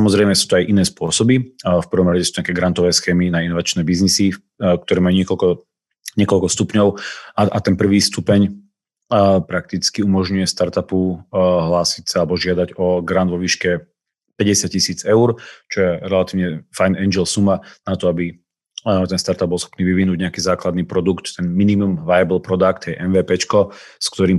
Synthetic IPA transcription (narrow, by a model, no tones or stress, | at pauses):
samɔzɾɛjmɛsuːt̪ɔajʔinɛːspʊɔsɔbifpr̩ʋɔmɾaɟɛsu̥t̪ɲakɛːɡɾant̪ɔʋɛːsxɛːminainɔʋat͡ʃnɛːbiznisi | k̚t̪ɔɾɛːmajuɲɪɛkɔlkɔ | ɲɪɛkɔʎkɔst̪upɲɔʊaat̪ɛnpr̩ʋiːst̪upɛɲ | pɾak̚t̪it͡skiumɔʒɲujɛst̪aɾt̪apuɦlaːsicsaalɛbɔʒɪad̪aɟɔɡɾand̪ʋɔʋiːʃkɛ | pɛɟɛsɪacːisiːt͡sɛuɾt͡ʃɔjɛɾɛlat̪iːʋʊɲɛfajnɛnd͡ʒɛlsumanat̪ɔabi | t̪ɛnst̪aɾt̪abɔlˠsxɔ̥pniːʋiʋinuːɟɲɛakiːzaːklad̪niːpɾɔd̪ukt̪ːɛnminimumʋajabl̩pɾɔd̪akt̪ɛɛʔɛnʋɛːpɛt͡ʃkɔskt̪ɔɾiːm